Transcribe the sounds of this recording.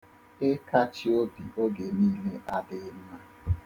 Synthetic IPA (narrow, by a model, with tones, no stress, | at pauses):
ɪ˦ka˦t͡ʃi˦o˦bi˨ʔo˦ɡe˨niː˦le˦ʔa˦dɪ˦ɪ˦m˦a˦